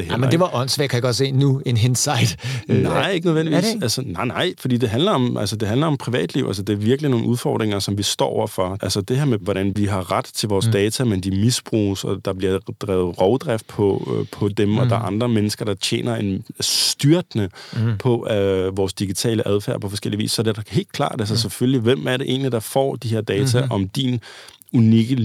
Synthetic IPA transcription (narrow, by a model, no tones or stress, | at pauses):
d̥ehelmedeʋɑ̈ʔɒn̰sʋɛ̰kʰæjaɡ̥ɒ̽d̥se̝̰ːnuenɦensɑɪd̥nɑɪ̰e̝ɡ̥ənəðˠend̥iʋḭsælsənɑ̈ɪ̰nɑ̈ɪ̰fɒd̥ḭːd̥e̝ɦænlɐɒ̽mʔælsəd̥e̝ɦænlɐɒ̽mpʰʁiʋɛ̰ːd̥liʊæ̰ls̬əd̥e̝æɐʋiɐɡ̥lino̝ːn̩uðˠfɒ̰ːd̥ʁeŋɐsɒ̽mʋisd̥ɒ̰ːɒʊɐfɒʔælsəd̥e̝ɦeɐ̰meʋɒɾænʋiɦɑ̈ʁad̥t͡sʰe̝lʋɒːsd̥ɛːt͡sʰæmend̥imisb̥ʁṵːsɒd̥ɑ̈b̥liɐd̥ʁɛːʊð̩ˠʁɒʊd̥ʁɛfd̥̚pʰɒpʰɒ̽d̥emɒ̽d̥ɑ̈ʔɑ̈nd̥ʁɐmenəsɡ̥ɐɾ̥ɑ̈t͡ɕʰjḛːnɐe̝nsd̥yɐd̥nəpʰɒ̽ʋɒːsd̥iɡ̥it͡sʰɛ̰ːləʔæðˠfæ̰ɐpʰɒfɒ̽sɡ̥el̰iʋḭːssɒd̥ed̥ɑhe̝̰ːld̥kʰlɑ̰̈ːd̥æs̬əsefølliʋem̰æɐɾe̝ʔe̝̰ːnlid̥ɑ̈fɒ̰ːd̥iɦeɐ̰d̥ɛːt͡sʰæʔɒ̽md̥in | uniɡ̥ə